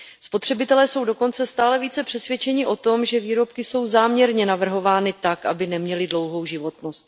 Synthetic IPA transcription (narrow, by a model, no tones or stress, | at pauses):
spo̞t̪r̝̥ɛbɪt̪ɛlɛːso̞wdo̞ko̞nt͡sɛst̪aːlɛviːt͡sɛpr̥ɛsvʲjɛt͡ʃɛɲɪʔo̞t̪o̞mʒɛviːɾo̞p̚kɪso̞wzaːmɲɛɾɲɛnavr̩ɦo̞vaːnɪt̪akʔa̰bɪnɛmɲɛlɪdlo̞wɦo̞wʒɪvo̞t̪nost̪̚